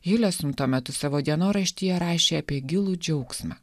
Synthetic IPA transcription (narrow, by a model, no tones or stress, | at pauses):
jɪlʲɛsʊmt̪uɔmʲɛt̪ʊsɑːʋoːd̪ʲiɛnoːɾɐʃʲt̪ʲiːjɛɾɑːʃʲeːɐpʲiɛɡʲɪlˠuːd͡ʒʲɛʊksʲmʲɑ̰ː